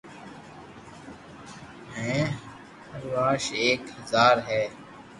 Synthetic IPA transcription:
ɦɛ̃ː | əɾʋaːʃeːkhəzaːɾɦɛː

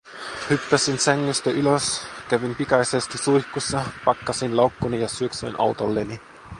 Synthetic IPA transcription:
hypːæsinsæŋːyst̪æʔyløskæʋimpikɑjsest̪isuijçkusːɑpɑkːɑsinlɑwkːunijɑsyøksøinʔɑ̰wt̪olːeni

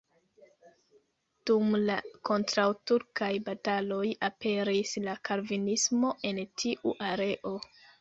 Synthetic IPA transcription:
d̥umlako̞ntɾawtuɾkajbatalo̞jape̞ɾislakʰaɾvinismo̞ʔe̞ntʰiʔuʔaɾe̞ʔo̞

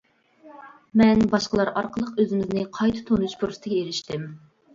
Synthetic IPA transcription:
mɛnbɑʃqəlˠɑɾɑɾqəlˠəqøzɪmɪznɪqʰɑjt̪ʰɨ̥t̪ʰonuʃpʰuɾsɨ̥t̪ʰɪɡʲɛeɾɪʃt̪ɪm

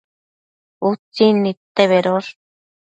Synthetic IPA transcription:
ut͡sinːit̪eβeɾoɾ

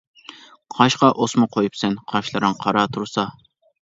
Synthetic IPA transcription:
qʰɑʃqɑʔosmʊqʰojupsɛnqʰɑʃlˠɨɾɨŋqʰɑɾɑt̪ʰuɾsɑ

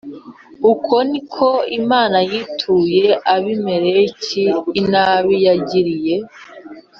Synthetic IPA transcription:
ukʰonikʰo̞imaːnajitʰujeʔaβimeɾeciːnaβijaɟiɾije̞

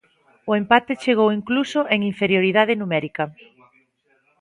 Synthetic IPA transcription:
ʊempat̪et͡ʃeɣ̞owiŋklusʊʔeŋiɱfeɾjoɾiðaðenumɛɾikɐ

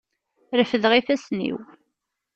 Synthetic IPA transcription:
ɾəfəðʁifæsnḭw

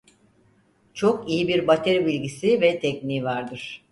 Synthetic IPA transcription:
t͡ʃʰo̞kijibiɾbat̪ʰeɾibilʲɟisivɛt̪ʰɛcnivaɾd̪ɯɾ̥

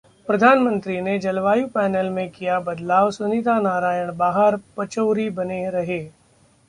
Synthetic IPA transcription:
pɾɐd̪ʱaːnmə̃nt̪ɾined͡ʒɐlʋaːjupɛːnɛlmẽkijabɐd̪laːʋsʊnit̪anaːɾaːjəɽ̃baːɦəɾpɐt͡ʃəːɾibɐneɾɐɦeː

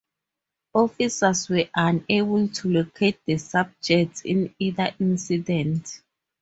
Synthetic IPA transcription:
ɔfisaswɛʔãnebultʰulokʰet̚dəsab̚d͡ʒɛk̚tḭ̃niðaʔĩnsidɛ̃nt

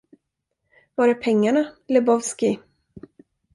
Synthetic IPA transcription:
vaɾɛpʰɛŋːaɳalɛbɔvskɪ

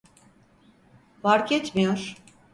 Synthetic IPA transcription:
vaɾkʰet͡ʃmijoɾ̥

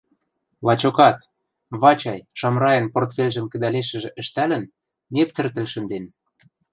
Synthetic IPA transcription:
lɑt͡ɕokɑt̪ | βɑt͡ɕɑjʃɑmrɑjə̆nport̪fʲelʲʒə̆mkə̆d̪æleʃə̆ʒĕʔə̆ʃt̪ælə̆nː | ep̚t͡sɘ̆rt̪ə̆lʃə̆nd̪en

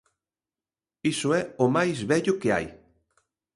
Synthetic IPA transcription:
isoɛomajzβɛʎʊkea̰j

